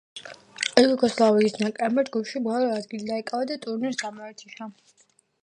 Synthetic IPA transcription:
ɛluɡɔslˠaviisnakʼɛmad͡ʒɡupʃibɔlˠɔad̪ɡilid̪aikʼavad̪at̪ʼuɾniɾsamɔɛt̪ʰi̥ʃa

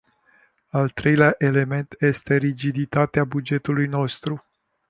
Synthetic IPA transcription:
alt̪ɾe̞jleaʔe̞le̞me̞nt̪je̞st̪e̞ɾid͡ʒid̪it̪at̪eabud͡ʒe̞t̪ulujno̞st̪ɾu

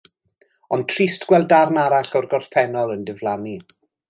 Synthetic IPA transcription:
ɔnd̚tʰristɡ̥wɛlˠdarnaɾaɬɔrɡɔrfɛnɔlˠəndɪvlˠani

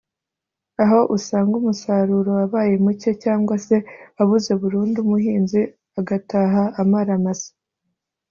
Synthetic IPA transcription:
aɦo̞ʔusaːŋɡumusaɾuːɾo̞aβaːje̞muce̞caːŋɡwase̞aβuzeβuɾuːndumuhiːnzi | aɡataːɦaːmaɾamasi̥

